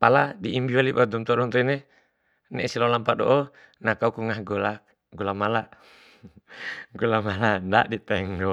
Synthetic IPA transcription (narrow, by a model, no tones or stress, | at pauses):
paladiʔimbiwalibad̪ɔmt̪ɔdɔnt̪ɔine | nɛʔsilɔlampadɔ̰ʔɔ | nakaukuŋahɡɔla | ɡɔlamala | ɡulamalanda̰dit̪ɛŋdɔ